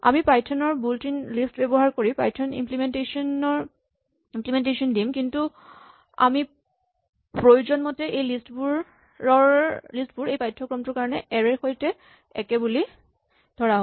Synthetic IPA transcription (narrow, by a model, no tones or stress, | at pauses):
a̰mipajtʰɔnɔɹbultinlistbɛbɔɦaɹkoɹipajtʰɔnḭmplimɛntesɔnɔɹ | implimɛntesɔndimkintu | a̰mi | pɹojuzɔnmɔtɛʔejlistbuɹ | ɔlistbuɹejpajtʰːɔkɹɔmtʊɹkaɹɔnɛʔɛɹɛxojtɛ | ɛ̰kɛbuli | d̥ʱɔɹaɦõ